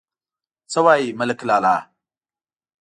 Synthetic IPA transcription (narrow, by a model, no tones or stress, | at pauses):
t͡sɐwaimələklala